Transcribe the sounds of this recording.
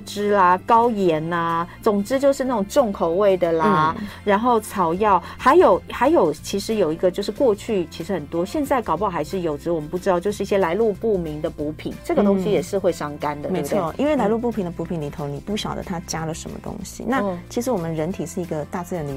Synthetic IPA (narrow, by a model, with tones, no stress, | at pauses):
ʈ͡ʂɻ̩˥lɐ˧kɑ˥ʊjɛ˧˥nɐ˧t͡sʊ˨˩ŋʈ͡ʂɻ̩˥t͡ɕjo˥˧ʊʂɻ̩˥˧na˥˩ʈ͡ʂʊ˨˩ŋʈ͡ʂʊ˥˩ŋkʰo˨˩ʊwe˥˩ɪd̪ə˩la˨˩ɻa˧˥nxo˥˩ʊt͡sʰɑ˨˩ʊjɑ˥˩ʊxa˧˥ɪjo˨˩ʊxa˧˥ɪjo˨˩ʊt͡ɕʰi˧˥ʂɻ̩˧˥jo˨˩ʊi˧˥ɡə˧t͡ɕjo˥˧ʊʂɻ̩˥˧kwɔ˥˧t͡ɕʰy˥˩t͡ɕʰi˧˥ʂɻ̩˧˥xə˨˩nt̪wɔ˥ɕjɛ˥˧nt͡sa˥˩ɪkɑ˨˩ʊpɑ˥ʊxa˧˥ɪʂɻ̩˥˩jo˨˩ʊʈ͡ʂɻ̩˧˥wɔ˨mə˨˦npu˥˩ʈ͡ʂɻ̩˥t̪jo˥˧ʊʂɻ̩˥˧i˥˩ɕjɛ˥la˧˥ɪlu˥˧pu˥˩mi˧˥nd̪ə˧pu˧˥pʰḭ˨˦nʈ͡ʂɤ˥˩ɡə˩t̪o˥ŋɕi˧˥jɛ˨˩ʂɻ̩˥˧xwe˥˧ɪʂɑ˥˩ŋka˥nd̪ə˨˩me˧˥˦d̪ʰɔ˥˩ʔḭ˥nwe˥˩ɪla˧˥ɪlu˥˧˩pu˥˩pʰi˧˥nd̪ə˧˩pu˧˥pʰi˧˥nli˨˩t̪ʰo˧˥ʊni˨˩pu˥˩ɕjɑ˨˩ʊd̪ə̰˦t̪ʰa˥t͡ɕja˥lə˨ʂə̰˧˥mə̰˧t̪ʊ̰˥ŋɕḭ˨na˥˩t͡ɕʰi˧˥ʂɻ̩˧˥wɔ˨˩mə˦nɻə˧˥nt̪ʰi˨˩ʂɻ̩˥˩i˧˥ɡə˧t̪a˥˧t͡sɹ̩˥˧ɻa˧˥nd̪ə˧